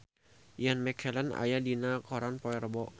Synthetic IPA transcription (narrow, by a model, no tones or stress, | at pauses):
janmɛkʰɛlana̰jadinakɔɾanpɔɛrbɔ